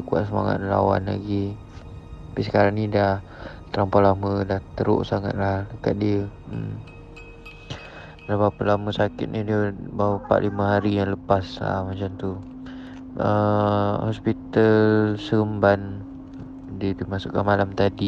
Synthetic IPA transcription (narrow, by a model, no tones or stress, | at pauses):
kua̰ʔ̪̚səma̰ŋa̰t̪̚əla̰wa̰nla̰ɡi | apisəkaɾaŋnidah | t̪əɾampalamədaht̪əɾo̰ʔsaŋa̰t̪̚laləkat̪̚diəm | dabapəlaməsakɪ̰t̪̚nidiəbawəpa̰ʔliməɦaɾijaŋləpasla̰mat͡ʃamt̪u | ə | ɔspit̪alsəəmban | diədimasʊ̰ʔkanmalamt̪adi